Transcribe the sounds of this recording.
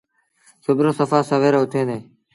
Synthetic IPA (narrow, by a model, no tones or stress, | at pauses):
sʊbɾoːsəfaːsəʋeːɾoːʊt̪ʰeːneː